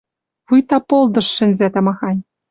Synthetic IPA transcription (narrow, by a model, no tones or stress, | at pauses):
βujt̪ɑpolˠd̪ɤ̆ʃːɘ̆nʲzæt̪ɑmɑxɑnʲ